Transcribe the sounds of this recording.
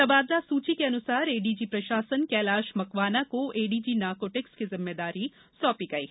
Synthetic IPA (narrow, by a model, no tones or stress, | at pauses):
t̪ɐbaːd̪lasuːt͡ʃikeɐnʊsaːɾeːɖiːd͡ʒiːpɾɐʃaːsənkɛːlaːʃmɐkʋaːnakoeːɖiːd͡ʒiːnaːɾkoːʈɪkskizɪmːed̪aːɾi | sɔːpiɡɐḭː